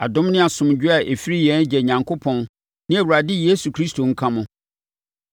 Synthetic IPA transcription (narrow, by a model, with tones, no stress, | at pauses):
a˨dʊ̃˦mnɪ̃˦a˨sʊ̃˨md͡ʑᶣɪ˦a˨ʔe˨fi˦ɾi˦jɛ̃˨˦n˦d͡ʑɛ˨ɲã˨ŋkʰo˦pʰɔ̃˦n | nɪ̃˦æ˨wu˨ɾa˨dɪ˦je˦su˨kʰɾi˦stʰo˨ŋ̩˦kʰã˦mʊ̃˨